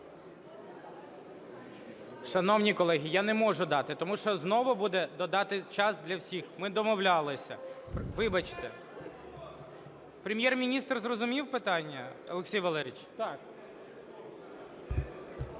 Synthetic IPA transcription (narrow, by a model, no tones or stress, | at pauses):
ʃɐnɔwnʲikɔlˠɛɦʲijanɛmɔʒʊd̪ɑt̪ɪt̪ɔmuʃɔznɔʋʊbud̪ɛd̪ɔd̪ɑt̪ɪt͡ʃɑzd̪lʲɐwsʲixmɪd̪ɔmɔwlʲɑlˠɪsʲɐ̰pʋɪbɐt͡ʃt̪ɛ | pɾʲemʲjɛrmʲinʲist̪rzrɔzʊmʲiwpɪt̪ɑnʲːɐɔ̰lˠeksʲijʋɐlˠɛɾʲit͡ʃt̪ɑk